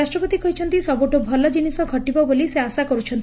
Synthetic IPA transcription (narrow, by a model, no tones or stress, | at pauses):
asʈɾɔpɔt̪ikɔɦit͡ʃʰɔnt̪isɔboʈobʱɔlɔd͡ʒinisɔɡʱɔʈibɔboliseasakɔɾut͡ʃʰɔnt̪